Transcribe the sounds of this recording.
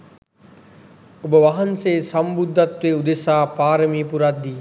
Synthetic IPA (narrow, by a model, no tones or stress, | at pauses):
obəʋaɦanseːsambud̪ʱːat̪ʋeud̪esaːpaːɾəmiːpuɾad̪ːiː